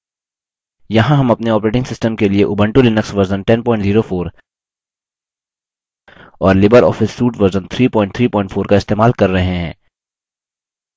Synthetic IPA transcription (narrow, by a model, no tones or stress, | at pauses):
jɐɦãɦɐmɐpneɔːpɾeːʈɪ̃ŋɡsɪsʈəmkelieʔʊːbə̃ɳʈulɪnəksʋɐɾzənʈɛ̃npɔ̃ːɪ̃ɳʈziːɾofoːɾ | ɔːɾlɪbəɾɔ̰ːfɪsːuːʈʋɐɾzənt̪ʰɾiːpɔ̃ːɪ̃ɳʈ̚t̪ʰɾiːpɔ̃ːɪ̃ɳʈfʰoːɾkaɪst̪eːmaːlkɐɾːɐɦeɦɛ̃ː